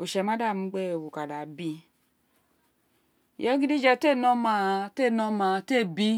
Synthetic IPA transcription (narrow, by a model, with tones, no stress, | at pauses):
o˨ʃɛ˧˨ma˦da˦˨m̩˦˧˦ɡ͡bɛ˦o˨wu˨ka˨da˨bi˧˨ | jɔ˦ɡi˦di˦d͡ʒɛ˧˨te˦˨nɔ˧˦ma˧te˦˨nɔ˧ma˧˨te˦˨bi˦